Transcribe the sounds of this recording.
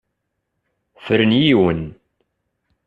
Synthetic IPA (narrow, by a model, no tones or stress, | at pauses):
fəɾənjiwən